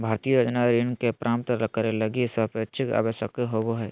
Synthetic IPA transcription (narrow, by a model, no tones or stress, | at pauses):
bʱaːɾt̪ijəjoːd͡ʒnaɾinkepɾʔãːmt̪ələkːəɾelɐɡisəpet͡ʃʰɪka̰ːʋəʃjəkɦoboɦɛː